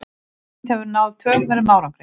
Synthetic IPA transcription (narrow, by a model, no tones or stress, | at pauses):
t̪hɛvɾnawðt̪ʰv̥œːvɛɾɪmaːwɾamkɾɪ